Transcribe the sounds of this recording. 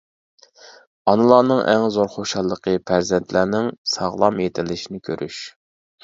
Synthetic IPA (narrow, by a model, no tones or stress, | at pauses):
ɑnɨlˠɑːnɨŋʔæŋzoɾχoʃɑlˠːəqʰəpʰæɾzɛnt̪ʰlæɾnɪŋsɑʁlˠɑmjet̪ʰɪlːɪʃinɪkʲʰøɾʔyʃ